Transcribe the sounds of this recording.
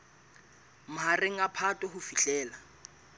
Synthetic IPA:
mʊɦareŋ̩apʰatʼɔɦʊfiɬʼɛːla

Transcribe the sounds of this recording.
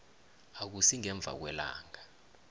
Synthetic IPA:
ak̬usiŋɛɱb̪vʱa̰k̬wɛla̰ːŋa

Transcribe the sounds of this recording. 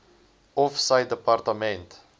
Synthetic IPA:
ɔfsajddəpart̪əmɛ̃nt

